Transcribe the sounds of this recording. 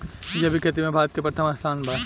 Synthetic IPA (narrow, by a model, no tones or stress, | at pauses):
jɐbʱikʰɐt̪̬imẽbʱaːɾət̪̚kepɾɐt̪ʰəmast̪ʰaːnbʱaː